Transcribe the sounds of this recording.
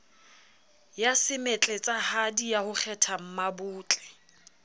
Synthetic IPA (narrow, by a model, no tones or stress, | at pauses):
jasɪmet͡ɬʼɛt͡sʼahadijahʊk͡xʰɛtʰam̩mabʊːt͡ɬʼɛ̥